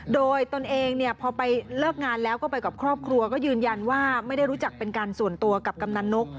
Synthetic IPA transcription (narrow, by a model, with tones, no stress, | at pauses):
doː˧jt̪o˧nʔeː˧ŋni˥˩əpʰɔː˧pa˧jlɤː˥˩k̚ŋaː˧nlɛː˦˥wkɔ˥˩pa˧jka˨˩p̚kʰɾɔː˥˩p̚kʰɾu˧ɐkɔː˥˩jɯː˧nja˧nwaː˥˩ma˥˩jda˥˩jɾuː˦˥t͡ɕa˨˩k̚pe˧nkaː˧nsu˨˩ənt̪u˧ɐka˨˩p̚ka˧mna˧˥nːo˦˥k̚